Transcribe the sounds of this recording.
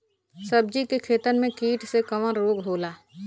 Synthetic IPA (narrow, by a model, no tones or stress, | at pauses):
səb̚d͡ʒikekʰeːt̪ənmẽkiːʈsekɐʋãɾoːɡɦoːlaː